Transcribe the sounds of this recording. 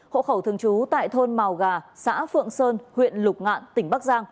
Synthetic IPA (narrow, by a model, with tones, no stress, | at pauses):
ho̰˧˨xə˧˩wt̪ʰɨ˨˩əŋt͡ɕu˨˦t̪a̰ː˧˨jt̪ʰo˧nma˨˩wɣaː˨˩sa̰ː˧˥fɨ̰˧˨əŋsəː˧nhwḭ˧˨ənlʊ˨˩k͡p̚ŋa̰ː˧˨nt̪ï˧˩ŋ̟ɓa˦˥k̚zaː˧ŋ